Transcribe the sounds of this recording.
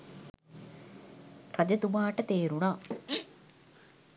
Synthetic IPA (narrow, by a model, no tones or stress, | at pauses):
rad͡ʒɐt̪umaːʈət̪eːɾunaː